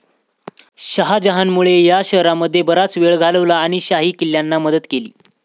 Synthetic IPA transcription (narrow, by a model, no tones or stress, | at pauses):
ɕəɦad͡ʑəɦanmuɭejaɕəɦɾaməd̪ʱːjebəɾat͡sʋeɭɡʱaləʋlaːɽ̃iɕaɦiːkiljanːaməd̪ət̪kelḭː